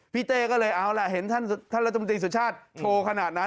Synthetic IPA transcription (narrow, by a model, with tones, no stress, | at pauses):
pʰiː˦˥˩t̪eː˧˩kɔː˥˩lɤː˧jʔa˧wlɛ˨˩ɦe˩˦nt̪ʰa˥˩nt̪ʰa˥˩ɾa˦˥t̪ʰːnt̪ɾiː˧su˨˩˦t̚t͡ɕʰaː˥˩t̪̚t͡ɕ̪ʰoː˧kʰa˧naː˨˩t̪̚na˦˥